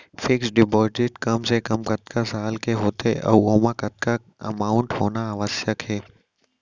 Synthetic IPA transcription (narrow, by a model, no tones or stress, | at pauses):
fʰɪksɖɪboːɾʈɪʈkɐmsekɐmkɐt̪kʰasaːlkeɦoːt̪eʔɔ̰ːoːmãkɐt̪̚ka | ɐ̰maːʊɳʈɦoːnaəʋəsjəkɦɛː